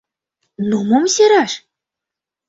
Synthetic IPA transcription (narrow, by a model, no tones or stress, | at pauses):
numomsʲeɾɑʃ